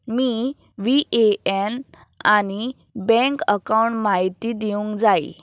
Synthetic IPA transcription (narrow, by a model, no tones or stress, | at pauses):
miː | ʋiʔeɛn | añi | bɛ̃ŋkəkawɳʈmaɦit̪iːd̪iũŋkd͡zaj̰